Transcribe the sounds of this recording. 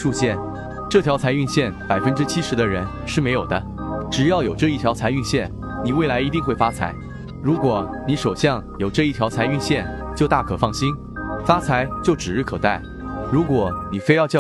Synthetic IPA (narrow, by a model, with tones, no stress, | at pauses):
ʂu˥˧ɕjɛ˥˩n | ʈ͡ʂɤ˥˩t̪ʰjɑ˧˥ʊt͡sʰa˧˥ɪy˥˧nɕjɛ˥˩npa˨˩ɪfə˥nʈ͡ʂɻ̩˥t͡ɕʰi˥ʂɻ̩˧˥d̪ə˧ɻə˧˥n | ʂɻ̩˥˩me˧˥ɪjo˨˩ʊd̪ə˦ | ʈ͡ʂɻ̩˨˩jɑ˥˩ʊjo˨˩ʊʈ͡ʂɤ˥˧i˥˩t̪ʰjɑ˧˥ʊt͡sʰa˧˥ɪy˥˧nɕjɛ˥˩n | ni˨˩we˥˩ɪla˧˥ɪi˧˥i˥˧ŋxwe˥˩ɪfa˥t͡sʰa̰˧˥ɪ | ɻu˧˥kwɔ˨˩˦ni˧˥ʂo˨˩ʊɕjɑ˥˩ŋjo˨˩ʊʈ͡ʂɤ˥˧i˥˩t̪ʰjɑ˧˥ʊt͡sʰa˧˥ɪy˥˧nɕjɛ˥˧n | t͡ɕjo˥˧ʊt̪a˥˩kʰɤ˨˩fɑ˥˩ŋɕi˥n | fa˥t͡sʰa˧˥ɪt͡ɕjo˥˩ʊʈ͡ʂɻ̩˨˩ɻ̩˥˩kʰɤ˨˩t̪a˥˩ɪ | ɻu˧˥kwɔ˨˩˦ni˨˩fe˥ɪjɑ˥˧ʊt͡ɕj